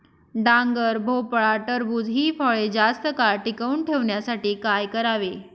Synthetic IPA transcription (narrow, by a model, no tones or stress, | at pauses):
ɖãŋɡəɾbʱopɭaʈəɾbuːd͡zɦiːfəɭed͡zast̪əkaɭʈikəuːɳʈʰeʋɳjasaʈiːkajkəɾaʋe